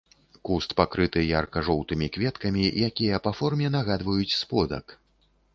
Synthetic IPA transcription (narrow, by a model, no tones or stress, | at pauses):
kust̪pakɾɨt̪ɨjarkɐʐɔwt̪ɨmʲikvʲɛt̪kɐmʲijakʲijɐpafɔrmʲɛn̪aɣad̪vɐjut͡sʲspɔd̪ɐ̰k